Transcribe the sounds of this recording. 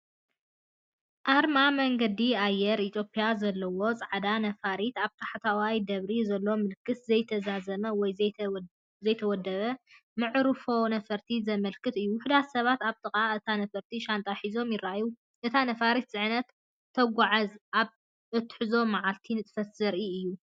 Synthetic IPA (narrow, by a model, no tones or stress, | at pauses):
ʔaɾmamɐŋɡɐd̪iajɛɾit̪ʰjo̞pʼijazɐlːɐwo̞t͡sʼaʕad̪anɐfaɾit̪aβt̪ʰḁħat̪ʰawajd̪ɐβɾizɐlːo̞mɨlkʰːɨszɐjt̪ʰɐzazɐmɐwɔj | zɐjt̪ʰɐwɔd̪ɐβɐ | mɨʕɾɨfo̞nɐfɐɾt̪ʰizɐmɐlkʰɨt̪ɨjːuwʊħd̪at̪sɐβat̪aβt̪ʼɨχʼaɨt̪ʰanɐfɐɾt̪ʰiʃant̪ʼaħizo̞mjɪraju | ʔɨt̪ʰanɐfaɾit̪z̥ʼɨʕnɐt̪ʰː | ɐɡʷaʕazʔaβ | ɨt̪ʰːħɨzo̞maʕalt̪ʰinɨt̪ʼfɐt̪zɐɾʔiɨjːu